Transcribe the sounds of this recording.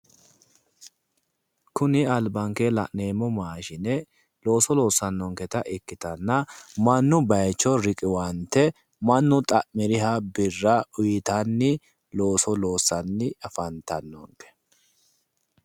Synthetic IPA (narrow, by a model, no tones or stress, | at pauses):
kʊnɪɐlbɐŋkelɐ̰ʔneːmɔmaːʃɪnɛ | lo̞ːsɔlo̞ːsɐnːɔŋkɛt̪ɐʔɪkːɪt̪ɐnːɐmɐnːʊbɐjt͡ʃːɔɾɪkʼɪwɐnt̪ːɛ | mɐnːʊt̪ʼɐʔmɪɾɪɦɐbɪrːɐʊjɪt̪ɐnːɪ | lo̞ːsɔlo̞ːsːɐnːɪɐfɐnt̪ɐnːɔ̰ŋkɛ̥